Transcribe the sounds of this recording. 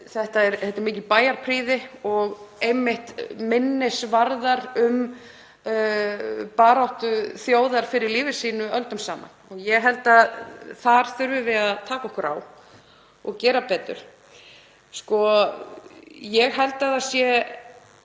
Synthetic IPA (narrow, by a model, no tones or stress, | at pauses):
θɛht̪aɛɾθɛt̪ːɪɾmɪːcɪpaːjaɾpʰɾiːðɪɔɣejmːɪht̪mɪnːɪsvaɾðaɾʏm | paːɾawht̪ʏθjoːwðaɾ̥fɪɾɪɾliːvɪsiːnʏœlt̪ʏmsaːma̰nɔɣjɛɦɛlt̪aðθaɾ̥θʏɾvʏvɪðaðt̪ʰaːkaɔhkʏɾa̰w | ɔɣcɛːɾapɛːt̪ʏ̰ɾ̥ | skɔ | jɛɣɦɛlt̪aðasjɛ